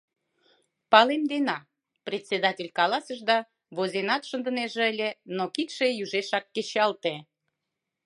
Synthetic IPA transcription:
pɑlemd̪enɑ | prʲet̪ʲsed̪ɑtʲelʲkɑlɑsəʒd̪ɑ | βozenɑt̪ʃənd̪ə̆neʒeəlʲenokit̪ʃejyʒeʃɑkːet͡ɕɑlt̪e

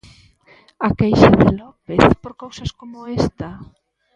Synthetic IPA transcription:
akejʃaðelɔpeθpoɾkowsaskomoest̪a

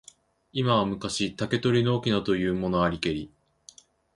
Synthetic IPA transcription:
imaβamɯ̟kaɕit̪ake̞t̪o̞ɾʲinooːkʲinat̪o̞jɯ̟ːmo̞no̞aɾʲike̞ɾʲi

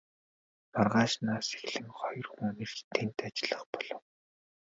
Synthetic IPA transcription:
nɔrʁaːʃnaːse̥xɮɘ̆ŋχɔjɞ̆rxuŋnĭrt̪ʰent̪at͡ɕɪ̆ɮə̆χpɔɮɞ̆w

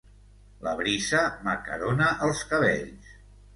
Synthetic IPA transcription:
ləβɾisəməkə̰ɾonəʔəlˠskəβ̞ḛʎs

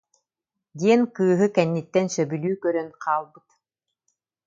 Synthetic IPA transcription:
d̪iɛnkɯːɦɯkɛnːit̪ːɛnsœbylyːkœɾœnqʰaːlˠbɯt̪

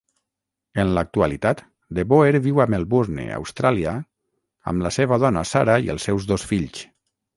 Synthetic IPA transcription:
ənlak̚t̪ualit̪at̪ | d̪eβoeɾβiwamelˠβuɾnḛa̰wst̪ɾalia | a̰mlaseβ̞að̞ɔna̰saɾaiə̰lˠsːɛwzðosfiʎs

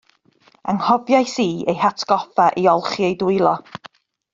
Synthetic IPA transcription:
aŋhɔbjajsiːejhatʰɡ̥ɔfaʔiɔlˠχiejdʊɨlˠɔ

